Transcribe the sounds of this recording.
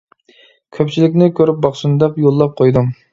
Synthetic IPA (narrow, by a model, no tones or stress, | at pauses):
kʲʰøpt͡ʃʰilɪkʲnɪkʲʰøɾyp̚bɑχʃunɨd̪ɛpjolˠːɑp̚qʰojd̪um